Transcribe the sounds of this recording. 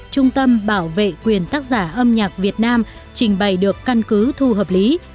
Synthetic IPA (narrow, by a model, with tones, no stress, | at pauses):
t͡ɕʊ˧ŋ͡mt̪ə˧mɓaː˧˩wvḛ˧˨kwi˨˩ənt̪aː˦˥k̚zaː˧˩ʔə˧mɲaː˨˩k̚vi˨˩ət̚naː˧m | t͡ɕï˧˩ŋ̟ɓa˨˩jɗɨ˨˩əkːa˧nkɨ˨˦t̪ʰu˧ɦəː˨˩p̚li˨˦